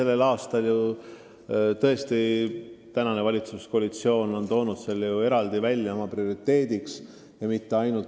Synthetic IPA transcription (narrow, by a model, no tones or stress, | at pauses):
e̞lːe̞lɑːst̪ɑlju | t̪ɤ̞e̞st̪it̪ænɑne̞vɑlʲit̪susko̞ɑlit̪sio̞ːno̞nt̪o̞ːnud̪̥selːejue̞ɾɑld̪̥ivælʲjɑo̞mɑprio̞ɾit̪ːˑe̞ːd̪̥iks | jɑmit̪ːe̞ɑjnult̪